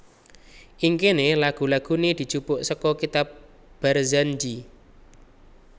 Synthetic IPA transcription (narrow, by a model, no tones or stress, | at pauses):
ʔiŋkenelaɡ̥ṳlaɡ̥ṳnid̪̥i̤̥t͡ʃupʊʔsəkɔkit̪ap̚ | b̥arzand͡ʒi